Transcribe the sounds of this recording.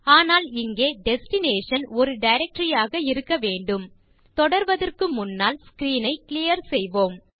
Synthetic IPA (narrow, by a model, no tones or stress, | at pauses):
aːnaːlɪŋɡeːɖɛsʈɪneːʂɐnɔɾɯɖɐɪɾɛk̚ʈɾɪjaːɣɐɪɾɯkːɐʋeːɳɖɯm | t̪ɔɽɐɾʋɐðɐrkɯmʊnːaːlskɾiːnɐɪklɪjɐɾsɛjʋoːm